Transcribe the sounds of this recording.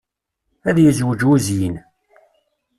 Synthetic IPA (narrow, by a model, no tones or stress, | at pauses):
æðjəzwəd͡ʒuzjin